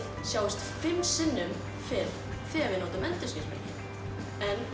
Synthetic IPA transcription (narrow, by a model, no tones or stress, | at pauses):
sjaːwast̪fɪmːsɪnːʏm | fɪːɾ | θɛavɪnoːt̪amɛnt̪ʏscɪɾpɛ̰lɪ̰ | ɛnː